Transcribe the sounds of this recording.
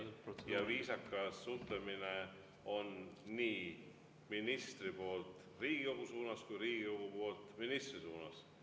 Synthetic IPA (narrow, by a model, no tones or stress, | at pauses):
jɑviːsɑkːˑɑut̪lemine | o̞nːiː | minist̪ripo̞ːlt̪ˑ | riːɡ̥ikowɡ̥usuːnɑskujɾiːɡ̥ikowɡ̥upo̞ːlt̪ːˑminist̪risuːnɑs